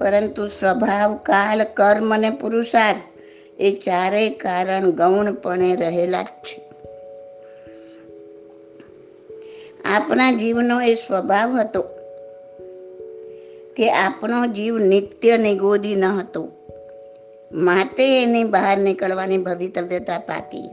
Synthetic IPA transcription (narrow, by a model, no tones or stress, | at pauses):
pəɾənt̪usʋəbʱaʋkalkəɾmənepuɾusaɾ | et͡ʃaɾekaɾəɳɡəwɳpəɳeɾəɦela̰d͡ʒt͡ʃʰe̥ | apnad͡ʒiʋnoesʋəbʱaʋɦət̪o | keʔapnod͡ʒiʋnɪt̪jəniɡod̪ʱinəɦət̪o | mat̪eːnibaɦəɾnikəɭʋanibʱəʋit̪əʋjət̪apa̰ʈḭ